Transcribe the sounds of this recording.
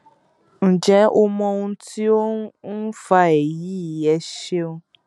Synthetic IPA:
ñ̩˨d͡ʒɛ˨˦o˧mɔ̃˧ũ˧ti˦o˦n̩˦fa˧ɛ˨ji˨˦i˨ɛ˨˦ʃe˦o˧

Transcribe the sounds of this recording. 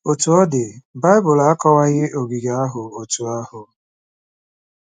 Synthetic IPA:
o˨tu˨ɔ˦dɪ˨ba˦ɪ˦bʊ˨la˦kɔ˦wa˦ɣɪ˦ʔo˨ɡi˨ɡa˨a˦ɦʊ˨o˨tu˨a˦hʊ˨

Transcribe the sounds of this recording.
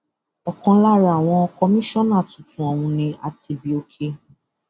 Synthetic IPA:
ɔ˨kɔ̃˧la˦˨ɾa˨w̃ɔ̃˧ɔ˧kɔ˧mĩ˦ʃɔ̃˦˨nã˦˨tũ˨tũ˨ɔ˨wũ˧nĩ˧ʔa˧ti˧bi˧o˧kʰe˧

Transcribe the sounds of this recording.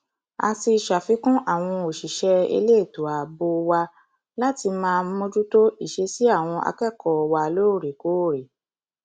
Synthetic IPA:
a̰˧si˧˨ʃa˨fi˨˦kũ˦ʔa˦˨w̃ɔ̃˧o˨ʃi˨ʃɛ˧ḛ˧le˦˨to˨a˨bo˧wa˧ | la˦ti˧mãː˧˦mõ˦d͡ʒu˦to˦i˦˨ʃe˧si˨˦a˦˨w̃ɔ̃˧ʔa̰˧kɛ˦˨kɔ˨wa˧lo˦˨ɾe˨ko˨˦˨ɾe˨

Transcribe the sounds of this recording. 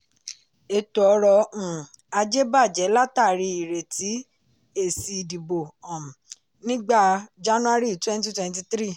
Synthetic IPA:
e˧˨tu˨ɔ˨˧ɾɔ̃˧˨ | a˧d͡ʒe˦ba˦˨d͡ʒɛ˨˦la˦ta˦˨ɾi˧i˨ɾe˨tʰi˨˦ | e˦˨si˨di˨bo˨ɔ̃˨m˨ | nĩ˦ɡ͡ba˦˨d͡ʒa˦nũ˦a˦ɾi˦˨twɛ̃˦n˦t̬i˦twɛ̃˦n˦t̬i˧t̪ɾi˦˨

